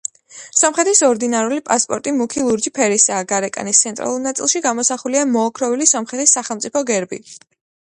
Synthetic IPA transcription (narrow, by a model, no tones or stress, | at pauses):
samχɾɛt̪ʰisɔɾd̪inaɾulipʼaspʼɔ̰ɾt̪ʼimukʰilˠuɾd͡ʒipʰɛɾisaːɡaɾɛkʼa̰nist̪sʰɛnt̪ʼɾa̰lˠuɾnat̪sʼḭlˠʃiɡamɔsaχuliamɔːkʰɾɔvilisamχɛt̪ʰisaχɛlˠmt̪sʼipʰɔɡɛɾbḭ